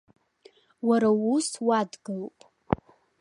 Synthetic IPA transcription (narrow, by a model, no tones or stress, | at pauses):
waɾauswadɡɨlpʼ